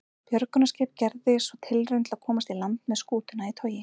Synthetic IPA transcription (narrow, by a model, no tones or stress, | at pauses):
pjœɾkʏnascɪːpcɛɾðɪsɔt̪ʰɪlrejnt̪laðkʰɔːmast̪ilant̪mɛðskuːt̪ʏnait̪ʰœːɥjɪ